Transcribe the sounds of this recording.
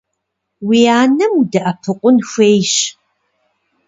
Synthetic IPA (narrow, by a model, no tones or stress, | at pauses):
wijaːnɐmudɐʔɐpʰɨqʷʼʊnxʷeːjɕ